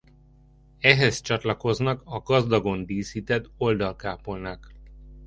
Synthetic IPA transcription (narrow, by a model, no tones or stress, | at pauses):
ɛɦɛst͡ʃɒt̪lɒko̞znɒkɒɡɒzd̪ɒɡo̞nd̪iːsiːt̪ɛd̪o̞ld̪ɒlkaːpolnak